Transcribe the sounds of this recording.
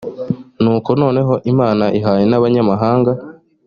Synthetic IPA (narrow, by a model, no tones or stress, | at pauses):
nuːko̞no̞ːne̞ɦo̞ʔimaːnaʔiɦaːje̞naβaɲamaɦaːŋɡa